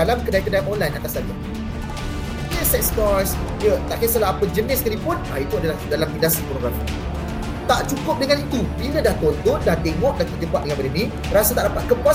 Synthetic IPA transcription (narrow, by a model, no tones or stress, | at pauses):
alamkədaikədajʔɔnlajnat̪aslad͡ʒa | jəsɛkst̪ɔs | jət̪a̰ʔkəsəlaɦːpəd͡ʒənɪskalipʊnait̪uadalahdalamkədasəpɾoɡam | t̪aʔt͡ʃukʊp̚dəŋanit̪ubilədaht̪ɔnt̪ʊndaht̪eŋɔʔ̚dak̪əd͡ʒəbaʔ̪̚əŋãnbaɾini | ɾasət̪aʔdapat̪̚kəpa